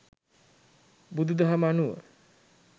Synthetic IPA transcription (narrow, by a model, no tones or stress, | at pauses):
bud̪ud̪aɦamanuə̰